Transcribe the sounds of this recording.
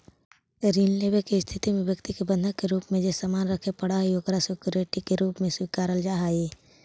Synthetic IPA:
ɾiːnleːbekest̪ʰɪt̪imẽbjəkt̪ikebə̃nd̪ʱəkːeɾuːpmẽd͡ʒesamaːnɾəkʰepəɽaɦiokɾasʊkjʊɾeʈikeɾuːpmẽswiːkaːɾəld͡ʒaːɦai

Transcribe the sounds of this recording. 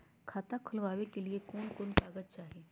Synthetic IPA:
kʰaːt̪akʰʊlʋaːwekeliekɔːnkʊnpaːɡət̪̚t͡ʃaːɦieː

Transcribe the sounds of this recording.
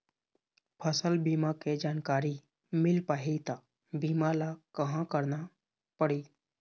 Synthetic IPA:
pʰəsəlbiːmaked͡ʒaːnkaːɾi | mɪlpaːɦit̪a | biːmalakəɦãkəɾna | pəɽiː

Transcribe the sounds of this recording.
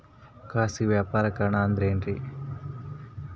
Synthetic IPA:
kaːsiʋjaːpaːɾɐkɐɾɐɳaːnd̪ɾeːnɾi

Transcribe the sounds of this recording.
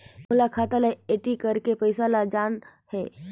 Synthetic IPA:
mʊlakʰaːt̪alajeʈikəɾkepəɪsalad͡ʒaːn | hɛː

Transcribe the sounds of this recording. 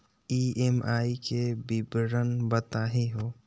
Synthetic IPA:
iːemaːikebɪbɾənbət̪aːɦeɦoː

